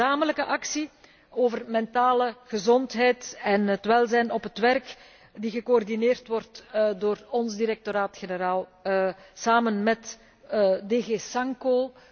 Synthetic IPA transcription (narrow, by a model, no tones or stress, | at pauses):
aːmələkəʔɑksi | oːvərmɛntaːləɣəzɔntɦɛjtɛnɦətʋɛlˠzɛjnɔpɦətʋɛrk | diɣəkoɔrdineːrtʋɔrtdoːrɔnzdiɾɛk̚toɾaːtxenəɾaːlˠ | saːmənmɛt | deɣeːsɑŋkoː